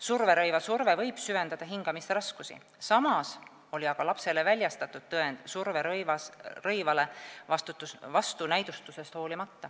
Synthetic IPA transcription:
surve̞ɾɤjvɑsurve̞vɤ̞jb̥syve̞nd̪ɑd̪ɑɦiŋɡ̥ɑmist̪eɾɑskusḭ | sɑmɑs | o̞liɑɡ̥ɑlɑpse̞le̞vælʲjɑst̪ɑt̪ˑːud̪̥̚t̪ɤe̞nd̪̥surveɾvɑrɤjvɑle̞vɑst̪ut̪ːˑusvɑst̪unæjd̪ust̪use̞st̪ho̞ːlimɑt̪ːɑ

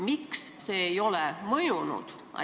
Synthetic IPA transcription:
miksːe̞ːjo̞lɛmɤjunṵd̪̥ | ʔɑ̰

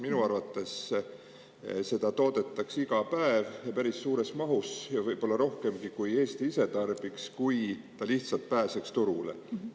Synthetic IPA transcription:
minuɑrvɑt̪ːˑe̞s | se̞d̪̥ɑt̪o̞ːd̪̥e̞t̪ːˑɑksiɡɑpæevpæɾisːuːɾe̞smɑɦusjɑvɤjb̥po̞lːɑɾo̞hke̞mɡikuje̞ːst̪iise̞t̪ɑrb̥ikskujt̪ɑliht̪sɑlt̪̚pæːsekst̪uɾulḛ

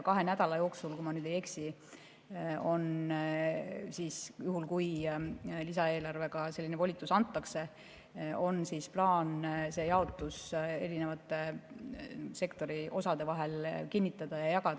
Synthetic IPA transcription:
kɑɦe̞næd̪̥ɑlɑjo̞ːksulkumɑnyːd̪ejeksi | o̞n | siːsjuɦulkuj | lisɑe̞ːlɑrve̞ɡ̥ɑse̞lːinevo̞lʲit̪ːˑusɑnt̪ːˑɑkse̞ | o̞nsiːsplɑːnse̞jɑo̞t̪ːˑuse̞ɾine̞vɑt̪ːˑe̞ | se̞kt̪o̞ɾiʔo̞sɑd̪̥e̞vɑɦe̞lkinʲːit̪ːˑɑd̪̥ɑjɑjɑkɑd̪̥

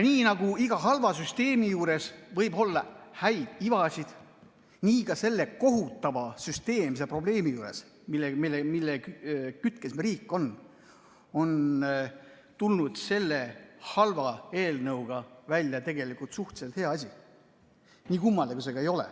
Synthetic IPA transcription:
niːnɑɡ̥uiɡ̥ɑɦɑlvɑsyst̪e̞ːmijuːɾe̞svɤjbo̞lːɑhæjd̪̥ivɑsʲid̪̥ | niːkɑse̞lːe̞ko̞ɦut̪ˑːɑvɑsyst̪e̞ːmsepro̞ble̞ːmijuːɾe̞s | milemilːemilːekkyt̪kesmeɾiːkːˑo̞n | o̞n | t̪ulnud̪̥se̞lːehɑlvɑe̞ːlnɤwɡ̥ɑvælʲjɑt̪e̞ɡe̞likult̪suht̪selt̪he̞ɑɑs̬ʲi | niːkumːɑld̪ekuse̞ɡɑejo̞lḛ

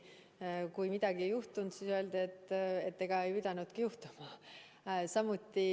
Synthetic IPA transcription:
kujmid̪̥ɑɡ̥iejuht̪und̪siːsø̞ld̪e̞t̪ːˑe̞t̪ːe̞ɡ̥ɑe̞jpid̪̥ɑnud̪̥kijuht̪u̥mɑ | sɑmut̪ːi

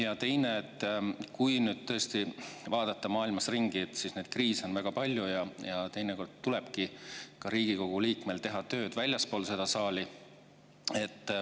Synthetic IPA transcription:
jɑt̪e̞jne̞ːt̪ːˑkujnyːd̪̥̚t̪ɤ̞est̪ivɑːd̪̥ɑt̪ːɑmɑːilmɑsriŋɡ̥it̪sisned̪̥kriːso̞nvæɡ̥ɑpɑlʲjujɑjɑt̪ejneko̞rd̪̥t̪ule̞b̥kikɑɾiːɡ̥iko̞ɡ̥uliːkmelt̪e̞ɦɑt̪ø̞ːd̪̥vælʲjɑspoːlse̞d̪̥ɑsɑːli | e̞t̪ˑː

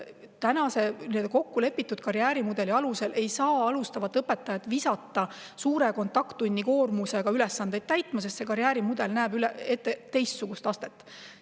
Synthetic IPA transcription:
t̪ænɑse̞nid̪ɑko̞kːule̞pːit̪ːˑud̪̥̚kɑɾjæːɾimud̪e̞liɑluse̞lʔe̞jsɑːɑlust̪ɑvɑt̪ːˑɤpːe̞t̪ːˑɑjɑt̪visɑt̪ːˑɑ | suːɾe̞ko̞nt̪ːˑɑkt̪unʲːiko̞ːrmuse̞ɡ̥ɑylɛsːɑnd̪̥e̞jd̪̥̚t̪æjt̪ːˑmɑsest̪sekɑɾjæːɾimud̪̥e̞lnæːbylɛet̪ːet̪e̞jst̪suɡ̥ust̪ɑst̪e̞t̪ːˑ

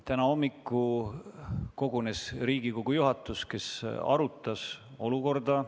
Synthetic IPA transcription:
t̪ænɑo̞mːikːu | ko̞ɡ̥une̞sriːɡ̥iko̞ɡ̥ujuɦɑt̪ːˑuske̞sɑ̰ɾut̪ːˑɑso̞luko̞rd̪̥ɑ

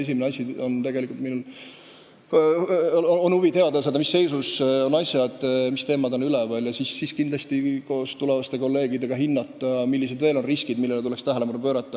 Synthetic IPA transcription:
es̬imineɑsʲio̞nt̪e̞ɡe̞likult̪minul | onhuvie̞ɑd̪ɑsed̪ɑmisːe̞jsuso̞nɑjsjɑd̪̥mist̪e̞ːmɑd̪o̞nylɛvɑljɑsisːiskind̪lɑst̪ikoːst̪ulevɑst̪e̞ko̞lːe̞ːɡ̥id̪e̞ɡ̥ɑɦinːɑt̪ˑːɑmilːised̪ve̞ːlo̞nriskid̪milːelet̪ulɛkst̪æɦælemɑnupøːɾɑt̪ːˑɑ

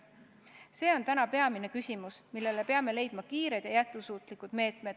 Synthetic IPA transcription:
se̞ːo̞nt̪ænɑpe̞ɑmine̞kysʲimusmilːe̞le̞pe̞ɑme̞le̞jd̪̥mɑkiːɾe̞d̪̥jɑjæt̪̚kusuːt̪ˑlikud̪̥me̞ːt̪ˑmed̪̥

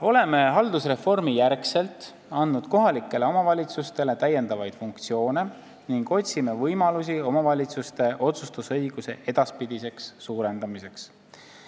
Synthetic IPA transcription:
o̞le̞me̞ɦɑld̪usre̞fo̞rmijærkse̞lt̪ˑ | ɑnːud̪̥ko̞ɦɑlikːˑe̞le̞o̞mɑvɑlʲit̪sust̪e̞le̞t̪æjːe̞nd̪ɑvɑjd̪̥fuŋk̚t̪sio̞ːne̞ | niŋɡ̥o̞t̪ʲsime̞vɤjmɑlus̬io̞mɑvɑlʲit̪sust̪e̞ʔo̞t̪sust̪usɤjɡ̥use̞ʔe̞d̪̥ɑspid̪̥ise̞ksːuːɾe̞nd̪̥ɑmise̞ks

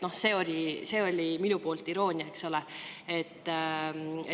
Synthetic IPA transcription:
no̞hse̞ːo̞lʲise̞ːo̞lʲiminupoːlt̪iɾo̞ːnʲiɑekso̞lee̞t̪ː

